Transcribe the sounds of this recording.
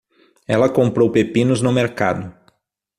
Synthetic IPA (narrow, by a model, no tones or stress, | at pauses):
ɛlɐkõmpɾowpepĩnʊznʊmeɾka̰d̪ʊ